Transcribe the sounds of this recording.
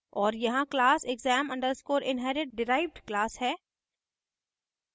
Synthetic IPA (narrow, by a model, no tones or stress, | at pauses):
ɔːɾjɐɦãklaːseɡzɛːmɐ̃ɳɖəɾskoːɾɪ̃nɦɛːɾɪʈ̚ɖɪɾaːɪʋɖklaːshɛː